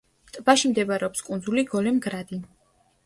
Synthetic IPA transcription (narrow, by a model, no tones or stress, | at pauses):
t̪ʼbaʃimd̪ɛbaɾɛɔpskʼund̪zuliɡɔlɛmɡɾad̪i